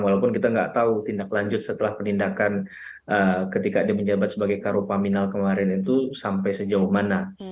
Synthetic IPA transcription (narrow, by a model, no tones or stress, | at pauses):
ŋwalawpʊnkit̪aŋɡa̰ʔt̪aut̪indaklaɲd͡ʒʊt̪̚sət̪əlahpənindakan | ʔəkət̪ikadiaməɲd͡ʒabat̪səbaɡajkaɾopaminalkəmaɾɛnit̪usampajsəd͡ʒauhmana